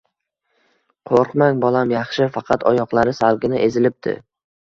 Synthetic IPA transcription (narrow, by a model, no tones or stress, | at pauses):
qʰoɾqmaŋbɒlˠamjɑχʃɪfɑqʰɑt̪ʰɒjɒqlˠaɾɪsalɡʲɪnɪʔe̞zɪlɪp̚d̪ʰɪ̰